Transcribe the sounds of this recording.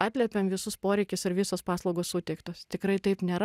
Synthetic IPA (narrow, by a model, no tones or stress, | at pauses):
ɑːt̪ʲlʲɛpʲeːmʋʲɪsʊspoːɾʲɛɪkʲɪsɪɾʋʲɪsoːspɑːslˠɐʊɡoːssuːt̪ʲɛɪkt̪oːst̪ʲɪkɾɐɪt̪ɐɪpnʲeːɾ